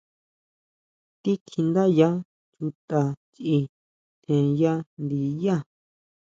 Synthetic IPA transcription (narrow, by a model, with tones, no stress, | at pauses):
t̪i˦kʰĩ˧nd̪a˦ja˦ | t͡ʃu˧t̪a˧t͡ʃi˧ | t̪ʰẽ˨ja˦nd̪i˨ja˦˨